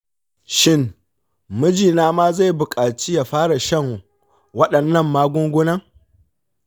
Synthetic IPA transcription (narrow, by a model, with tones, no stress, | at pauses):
ʃɪ˦ŋ | mʊ˦d͡ʒiː˨naː˦maː˦za˦˨jbʊ˨kʼaː˨t͡ʃi˦jaː˨ɸaː˦ɽa˨ʃɐ˦ŋ˨ | wɐ˦ɗɐ˨nːɐ˦˨mːaː˦ɡʷʊ˦ŋɡʷʊ˦nɐ˦ŋ